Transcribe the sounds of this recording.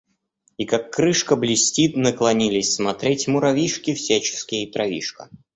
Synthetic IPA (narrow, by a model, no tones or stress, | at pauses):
ikakːɾɨʂkəblʲɪsʲtʲit̪nəklˠɐnʲilʲɪsʲsmɐt̪ɾʲetʲmʊɾɐvʲiʂkʲɪfsʲæt͡ɕɪ̥skʲɪjət̪ɾɐvʲḭʂkə̰